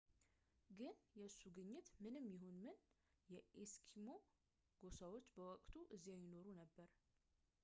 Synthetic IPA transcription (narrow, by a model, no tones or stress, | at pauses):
ɡɨnjɛɨsːuɡɨɲːɪt̪mɨnɨmjɪɦonmɨn | jɛʔeskʰimo̞ | ɡ̥o̞sawo̞t͡ʃːbəwɔkʼt̪ʰuʔɨzːijajɪno̞ɾunəbːəɾ